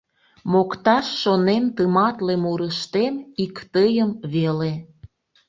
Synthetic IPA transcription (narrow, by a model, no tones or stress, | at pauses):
mokt̪ɑʃʃonemt̪əmɑt̪lemuɾəʃt̪emikt̪əjəmβele